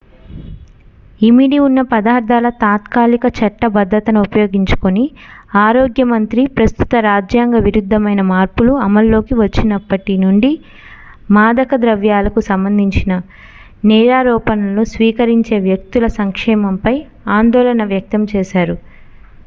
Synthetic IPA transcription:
imiɽiunːɐpɐd̪aːɾd̪ʱaːlɐt̪aːt̪kaːlikɐt͡ʃɐʈːɐbɐd̪ʱːɾɐt̪ɐnuupɐjo̞ːɡiɲt͡ʃu̥koniaːɾoːɡjɐmɐnt̪ɾipɾɐst̪u̥t̪ɐɾaːd͡ʒjaːŋɡɐʋiɾud̪ʱːɐmɐjnɐmaːɾpuluɐmɐlːo̞ːkiʋɐt͡ʃːinɐpːɐʈinuɳɖi | maːd̪ɐkɐd̪ɾɐʋjaːlɐkusɐmbɐnd̪ʱiɲt͡ʃinɐ | nɛːɾaːɾɔːpɐnɐlusʋiːkɐɾiɲt͡ʃe̞ːʋjɐk̚t̪ulɐsɐŋkʂɛːmɐmpɐj | aːnd̪ɔːlɐnɐʋjɐk̚t̪ɐmt͡ʃɛːʃaːɾu

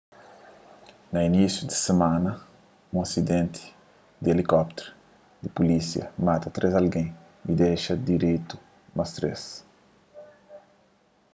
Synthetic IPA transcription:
nɐinisjud̪i̥semãnɐ | ũɐsid̪ẽnt̪ʰi̥ | d̪ielikɔpt̪eɾ | d̪ipulisjɐ̰mat̪ɐt̪ɾezalɡẽj̃ | id̪ejʃɐd̪iɾejt̪u̥ | mɐst̪ɾes

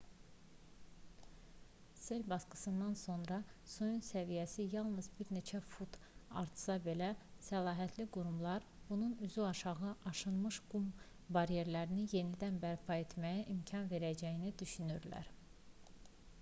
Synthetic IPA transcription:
se̞lbɑskɯ̥sɯnd̪ɑnso̞nɾɑsujunsævijæsijɑlˠnɯzbiɾne̞t͡ʃʰæfut̪ɑ̰ɾt̪ʰsɑbe̞læsælˠɑːɦæt̪ʰliɡuɾumlˠɑɾ | b̥ununyzyɑʃɑɣɯʔɑʃɯnmɯʃɡum | bɑɾije̞ɾlæɾinije̞nid̪ænbæɾpʰɑe̞t̪ʰmæjæʔimcʰɑnve̞ɾæd͡ʒæjinid̪yʃynyɾlæ̰ɾ

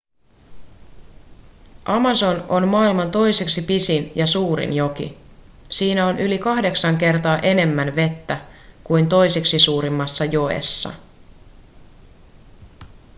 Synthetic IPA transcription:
ʔɑmɑso̞no̞nmɑːilmɑnt̪o̞jse̞ksipisinjɑsuːɾḭnjo̞kḭsiːnæo̞nʔylikɑhde̞ksɑŋke̞rt̪ɑːʔe̞ne̞mːænʋe̞t̪ːækujnt̪o̞jseksisuːɾimːɑsːɑjo̞ḛsːɑ̰

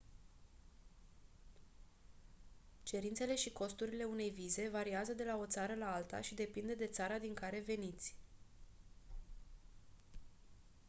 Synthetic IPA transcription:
t͡ʃe̞ɾint̪se̞le̞ʃiko̞st̪uɾile̞une̞jvize̞vaɾiazəd̪e̞lao̞t̪saɾəlaalt̪a̰ʃid̪e̞pind̪ed̪e̞t̪saɾad̪iŋkaɾe̞ve̞nit̪sʲ

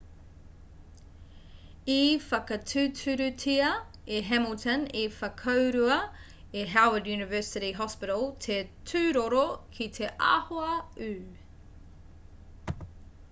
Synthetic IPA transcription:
ifɐkɐtʰʉːtʰʉɾʉtʰiɐ | eɦɛməltʰənefɐkʰɐwɾuɐ | iɦawədjʉːnɪvɜ˞sɪɾiɦɔspɪɾəlˠt̪ʰetʰʉːɾoɾokʰit̪ʰeʔa̰ːhoɐʉː

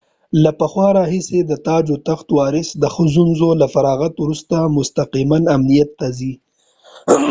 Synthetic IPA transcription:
lapəxwɑɾɑɦɪsed̪ət̪ɑd͡ʒot̪axt̪wɑɾɪsd̪əxəzunzolafaɾɑɣat̪wɾust̪amʊst̪aqimanamnijat̪ːazi

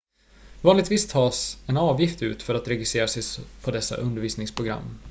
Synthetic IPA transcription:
vɑːnlɪɡt̪viːst̪ʰɑːsɛnɑːvjɪft̪ʉ̟ːt̪fœɾat̪ɾɛɡɪst̪ɾeːɾasɛjsfʰɔd̪ɛsːa̰ʔɵnd̪əɾviːsnɪŋspʰɾʊɡɾa̰mː

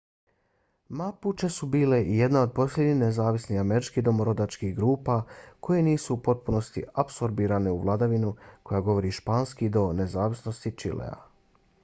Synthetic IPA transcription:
maput͡ʃesubiːle̞ʔije̞d̪nao̞d̪̚po̞slʎʲeɲixnezaːʋisnihameɾit͡ʃkid̪o̞moɾo̞d̪at͡ʃkiɡɾuːpako̞je̞niːsuːpo̞t̪̚puno̞st̪ḭapso̞ɾbiːɾaneuʋlˠad̪aʋinuko̞jaɡo̞ʋo̞ɾiʃpaːnskid̪o̞ne̞zaːʋisno̞st̪it͡ʃḭlḛa̰

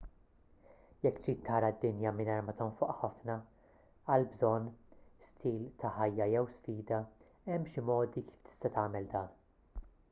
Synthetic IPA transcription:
jɛkːt̪ɾiːt̪ːɐːɾɐd̪ːɪnjɐmɪnɐːɾmɐt̪ɔnfʊʔħɐfnɐ | ɐlbzɔnːst̪ʰiːlt̪ɐħɐjːɐjɛwsfiːd̪ɐɛmːʃɪmɔːd̪ikiːft̪ɪ̥st̪ɐt̪ɐːmɛld̪ɐːn

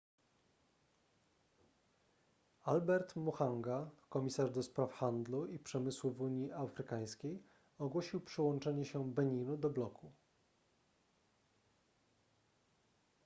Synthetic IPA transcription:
albɛɾt̪muxaŋɡakɔmʲisaʐd̪ɔspɾafxand̪luipʂɛmɘswuvuɲiʔafɾɘkaj̃skʲej | ɔɡwɔɕiwpʂɛwɔnt͡ʂɛɲɛɕɛbɛɲinud̪ɔblɔkʰu

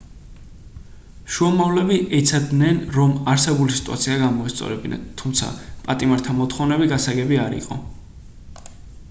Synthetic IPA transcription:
ʃuamavlɛbiʔɛt̪sʰad̪nɛnɾɔmaɾsɛbulisi̥t̪ʼua̰t̪sʰiaɡamɔist̪sʼɔ̰ɾɛbina̰t̪ʰːumt̪sʰa̰pʼat̪ʼimaɾt̪ʰamɔt̪χɔvnɛbiɡasaɡɛbiaɾḭqʼɔ̰

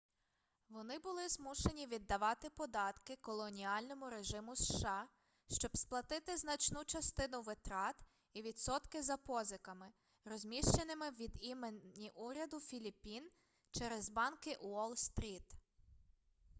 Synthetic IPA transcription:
ʋɔnɪbʊlˠɪzmuʃe̞nʲiʋʲid̪ːɐʋɑt̪ɪpɔd̪ɑt̪kɪkɔlˠɔnʲiɑlʲnɔmʊɾeʒɪmʊsʃɑ | ʃt͡ʃɔbsplˠɐt̪ɪt̪ɪznɐt͡ʃnut͡ʃɐst̪ɪnʊʋɪt̪ɾɑt̪ | iʋʲid̪sɔt̪kɪzɐpɔzɪkɐmɪ | rɔzʲmʲiʃt͡ʃenɪmɪʋʲid̪imenʲiʔuɾʲɐd̪ʊfʲilʲipʲːin | t͡ʃɛɾezbɑnkɪʔuɔlˠst̪ɾʲit̪

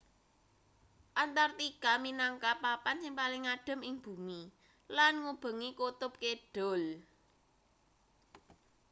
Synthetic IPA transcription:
ʔant̪art̪ikaminaŋkapapansɪŋpalɪŋaɖ̥ə̤mɪŋb̥ṳmi | lanŋub̥ə̤ŋikut̪ʊp̚keɖ̥o̤l

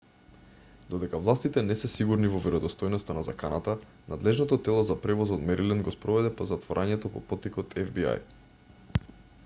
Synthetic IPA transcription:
d̪̥od̪ɛkavlˠast̪it̪ɛnɛsɛsiɡuɾnivɔvɛɾod̪ost̪ɔjnɔst̪anazakanat̪a | nad̪lɛʒnɔt̪ɔt̪ɛlˠozapɾɛvɔzɔt̪mɛɾilɛnd̪̚ɡospɾɔvɛd̪ɛpozat̪voɾʔaɲɛt̪opopɔt̪ikot̪ʰɛvbia̰j

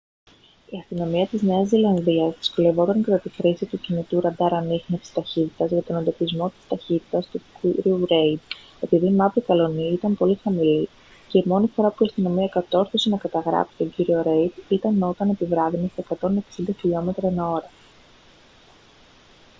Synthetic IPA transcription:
iɐst̪ino̞miɐt̪izne̞ɐzːilɐnðiɐzðisko̞le̞vo̞t̪ɐŋkɐt̪ɐt̪ixɾisit̪ucinit̪uɾɐd̪ɐɾɐnixnefsist̪ɐçit̪it̪ɐzʝɐt̪o̞nend̪o̞pizmo̞t̪i̥st̪ɐçit̪i̥t̪ɐst̪uiɾiuɾe̞jd̪ | e̞piðiːmɐvikɐlo̞niit̪ɐmpo̞lixɐmili | ce̞imo̞nifo̞ɾɐpuiɐst̪ino̞miɐkɐt̪o̞ɾθosenɐkɐt̪ɐɣɾɐ̰pi̥t̪o̞ɲɟiɾio̞ɾe̞jd̪it̪ɐno̞t̪ɐne̞pivɾɐɣniseekɐt̪o̞ne̞ksind̪ɐçiʎo̞me̞t̪ɾɐenɐo̞ɾɐ

